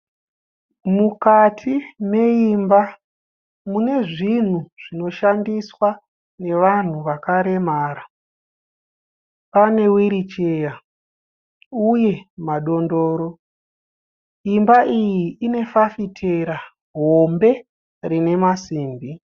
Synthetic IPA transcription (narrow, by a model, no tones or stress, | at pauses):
mukatʰine̞imba | mune̞ʐin̤uʐ̥ino̞ʃandiswa | ne̞ʋan̤uʋakaɾe̞maːɾa | pane̞wiɾit͡ʃeja | uje̞maɗo̞ndo̞ːɾo̞ | imbaʔijiːne̞fafitʰeɾa | ɦo̞mbe̞ | rine̞masiːmbi